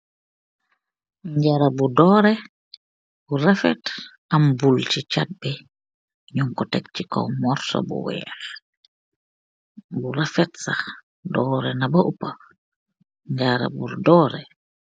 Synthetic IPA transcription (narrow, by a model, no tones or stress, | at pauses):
ɲɟaɾabudɔːɾɛ | buɾafɛ̰t | ambult͡ʃit͡ʃat̚bɛ | ɲuŋkɔtɛk̚t͡ʃikɔ̰wmɔɾsɔ̰bṵwɛ̰ːx | buɾafɛtsax | dɔːɾɛnabaʔupa | ɲɟaɾa̰bṵɾdɔːɾɛ